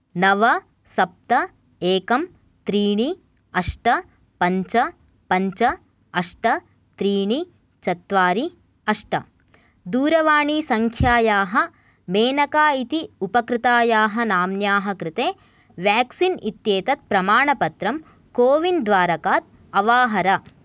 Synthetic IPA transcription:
nɐʋɐ | sɐp̚t̪ɐ | eːkɐm | t̪ɾiːɳi | ɐʂʈɐ | pɐɲt͡ʃɐ | pɐɲt͡ʃɐ | ɐʂʈɐ | t̪ɾiːɳi | t͡ʃɐt̪ʋaːɾi | ɐʂʈɐ̰ | d̪uːɾɐʋaːɳisɐŋkʰjaːjaːɦɐ̆ | meːnɐkaːit̪iupɐkɾɪt̪aːjaːɦɐnaːmnjaːɦɐkɾɪt̪eː | ʋjaːksinit̪jeːt̪ɐt̪̚pɾɐmaːɳɐpɐt̪ɾɐm | koːʋind̪ʋaːɾɐkaːt̪̚ | ɐʋaːɦɐɾɐ

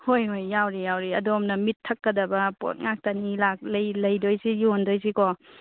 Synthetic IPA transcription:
hojɦojːawɾijawɾiɐdomnɐmitʰːɐkːɐdɐbɐpo̰t̚ŋak̚tanilak̚lɐjlɐjdojsijondojsikɔ

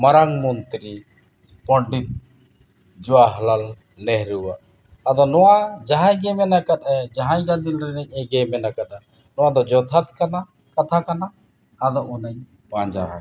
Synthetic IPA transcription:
maɾaŋmɔnt̪ɾi | pɔɖit̪̚ | d͡ʒɔwaɦəlalː | ɛɦɾuwa̰ʔː | d̪ɔnɔwad͡ʒaɦãjɡɛmɛnakat̪ɛd͡ʒaɦãjɡand̪ilɾɛnɛɲɛɡɛmɛnakat̪̚a | nɔwad̪ɔd͡ʒɔt̪ʰat̪̚kana | kat̪ʰakanaː | d̪ɔʔunəɲ | paɲd͡ʒa̰ɾa̰

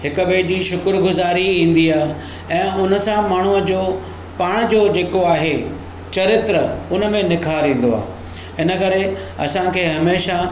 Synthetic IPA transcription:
ɦɪkə̆beːd͡ʑiːʃʊkɾɡʊzaːɾiĩːn̆d̪iaːɦ | ɛ̃ːʊnə̆sãmaːɳ̤uəd͡ʑoː | paːɽ̃d͡ʑoːd͡ʑeːkoaːɦe | t͡ɕɐɾɪt̪ɾəʊnə̆mẽnɪkʰaɾĩːn̆d̪oa̰ː | ɪnə̆kɐɾe | ɐ̰sãkʰeːɦɐmeːʃa

